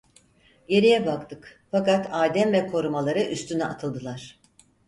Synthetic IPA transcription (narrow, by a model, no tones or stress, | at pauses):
je̞ɾijɛbakt̪ʰɯkfakat̪ʰaːd̪ɛmvɛkʰo̞ɾumalˠaɾɯʔyst̪ʰynɛʔat̪ʰɯlˠd̪ɯlˠaɾ̥